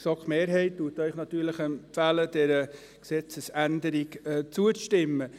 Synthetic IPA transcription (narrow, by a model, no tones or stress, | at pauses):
sɔkχmeːɾɦɛɪttuətœʏχnɑt̪yːɾləχɛmpfæləd̥ɛɾə | ksɛt͡səsændəɾiɡɛt͡suət͡sʃtɪmːə